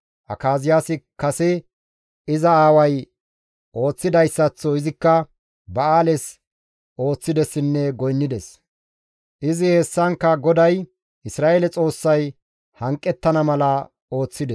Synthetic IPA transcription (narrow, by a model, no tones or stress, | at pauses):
ʔɐ̰kaːzɪjaːsɪkɐsɛ | ɪzɐaːwɐj | ʔo̞ːt͡sːɪd̪ɐjsːɐt͡sːɔɪzɪkːɐ | bɐaːlɛs | ʔo̞ːt͡sːɪd̪ɛsɪnːɛɡɔjnːɪd̪ɛs | ʔɪzɪheːsːɐŋkːɐɡɔd̪ɐj | ɪsɾaːʔelɛt͡sʼo̞ːsːɐj | hɐŋkʼːɛt̪ːɐnɐmɐlɐ | o̞ːt͡sːɪd̪ɛ